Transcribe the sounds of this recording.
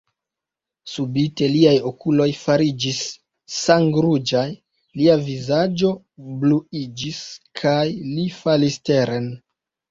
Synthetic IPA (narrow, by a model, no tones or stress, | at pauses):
subite̞liajo̞kulo̞jfaɾid͡ʒisː | aŋɡɾud͡ʒaj | liavizad͡ʒo̞ | bluid͡ʒiskʰajlifaliste̞ɾen